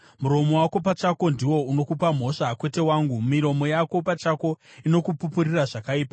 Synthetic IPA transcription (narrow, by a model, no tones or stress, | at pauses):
muɾo̞mo̞wako̞pat͡ʃako̞ndiwo̞uno̞kupam̤o̞ʂakwe̞te̞waːŋɡumiɾo̞mo̞jako̞pat͡ʃako̞ino̞kupupuriraʐakaiːpa